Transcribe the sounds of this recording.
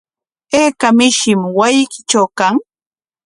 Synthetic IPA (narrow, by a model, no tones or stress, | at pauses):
eːkamɪʃɪmwajɪkɪ̥t͡ʃawkaŋ